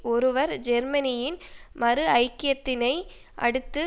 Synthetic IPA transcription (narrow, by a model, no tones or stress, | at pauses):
ʔɔɾɯʋɐɾd͡ʒɛɾmɐnɪjɪnmɐɾɯɐɪkːɪjɐt̪ːɪnɐɪ | ʔɐ̰ɽɯt̪ːɯ